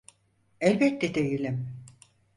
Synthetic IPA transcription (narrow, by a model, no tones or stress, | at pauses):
ɛlʲbɛt̪ːɛd̪ejilʲim